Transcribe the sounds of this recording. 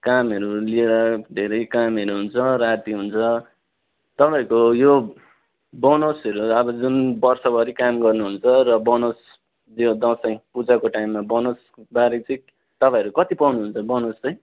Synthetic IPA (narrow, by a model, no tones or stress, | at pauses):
kamʌɾulieɾʌd̪ʱeɾʌjkamʌɾuɦunt͡sʰʌɾat̪iɦunt͡sʰʌ | t̪ʌpaĩkojo | bʌnosʌɾuʌbʌd͡zunbʌrsʌbʌɾikamɡʌrnuɦunt͡sʰʌrʌbʌnos | d͡zjod̪ʌ̃sʌĩpud͡zakoʈaimːabʌnos | baɾit͡sʌĩ | t̪ʌpãĩʌɾukʌt̪ipʌwnuɦunt͡sʰʌbʌnost͡sʌj̃